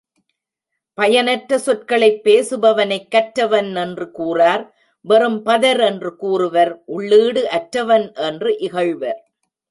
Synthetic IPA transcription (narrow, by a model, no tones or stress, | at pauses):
pɐjɐnɐʈɾːɐsɔʈkɐɭɐɪpːeːsɯbɐʋɐnɐɪkːɐʈɾːɐʋɐnɛndrɯkuːraːɾ | ʋɐrɯmpɐðɐɾɛndrɯkuːrɯʋɐɾʔʊɭːiːɽɯʔɐʈɾɐʋɐnʔɛndrɯʔɪɣɐɻʋɐɾ